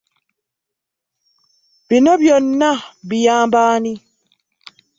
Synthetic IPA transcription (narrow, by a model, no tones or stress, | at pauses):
binɔbjɔnːabijaːmbaːni